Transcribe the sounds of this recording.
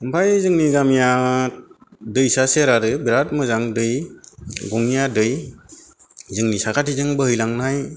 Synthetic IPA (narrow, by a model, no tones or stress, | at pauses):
ɯmpʰajzɯŋniɡamija | dɯjsaseɾaɾɯbiɾat̚mɯzaŋdɯj | ɡɔŋijadɯj | zɯŋnisakʰatʰizɯŋbɯɦɯjlaŋnaj